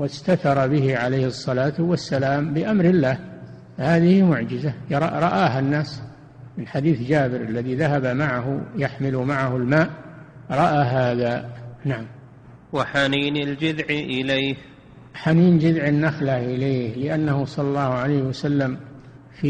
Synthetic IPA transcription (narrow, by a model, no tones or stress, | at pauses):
wɪst̪aθɑɾˤɑbɪɦiʕalejhɨsˤːɑlaːt̪wasːalaːmbɪʔamɾɪlːaːh | fahaːðɪhimʊʕd͡ʒɪzaɾˤɑɾˤɑʔaːɦanːaːs | mɪnħad̪iːθd͡ʒaːbɪɾalːaðiðaɦabamaʕaɦʊjaħmɪlumaʕahʊlmaːʔɾˤɑʔaːɦaːðanaʕam | waħaniːnɪld͡ʒɪðʕʔɪlejh | ħaniːnd͡ʒɪðʕɪnːaxlahʔɪleːhlɪʔanːahusˤɑlːɑlˤːɑːhʕalejhɪwasalːam | fi